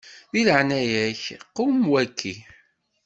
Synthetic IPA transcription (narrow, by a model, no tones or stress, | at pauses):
ðiləʕnæjæçqːumwækʰːi